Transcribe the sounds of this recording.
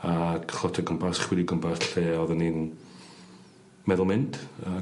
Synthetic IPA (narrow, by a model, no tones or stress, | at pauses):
akχɔtʰɛɡəmpʰasχwɛdiɡəmpʰasɬeːɔðənin | mɛðʊlˠmɪnd̥a